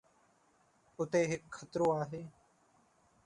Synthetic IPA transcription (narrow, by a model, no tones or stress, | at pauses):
ʊt̪eːɦɪkxət̪ɾõːaːɦeː